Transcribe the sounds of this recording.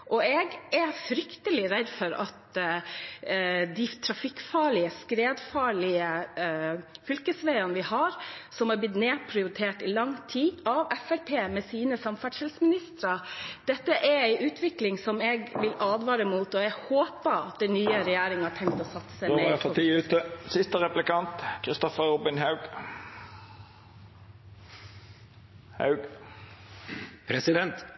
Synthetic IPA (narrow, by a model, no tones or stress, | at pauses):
ʔɔɛɡæfɾʏkt̪əlɪɾɛd̪fɔɾɑt̪ | d̪iːt̪ʰɾɑfɪkːfɑːɭɪəskɾeːd̪fɑːɭɪə | fʏlkəsʋæɪɑnəʋɪhɑɾsɔmhɑɾblɪt̪neːpʰɾɪʊɾɪt̪ʰeːʈɪlɑŋt̪ʰiːɑʋɛfæɾpʰeːmɛsiːnəsɑmfæɖʂhɛlsmɪnɪst̪ɾɑd̪̥ɛt̪ːəʔæɾæɪʔʉːt̪ʰʋɪklɪŋsɔmɛːɡʋɪlɑːd̪ʋɑːɾəmuːt̪ɔɛɡhoːpəɑt̪̚d̪ɛnyːəɾɛjæːɾɪŋhɑʈʰɛŋkt̪oːsɑt̪səsæepʰɑt̪iːʉːt̪əsɪst̪əɾɛplɪkɑnt̪kʰɾɪst̪ɔfəɾuːbɪnhɑʉɡ | hɑ̰ʉɡ | ɾɛsɪd̪ɛnt̪